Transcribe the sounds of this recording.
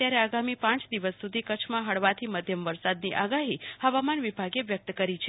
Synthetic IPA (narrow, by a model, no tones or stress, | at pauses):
jaɾeaɡamipãt͡ʃd̪iʋəsːud̪ʱikət͡ʃʰmãɦəɭʋat̪ʰiməd̪ʱjəmʋəɾsad̪niʔaɡaɦihəʋamanʋibʱaɡeʋjək̚t̪kəɾit͡ʃʰ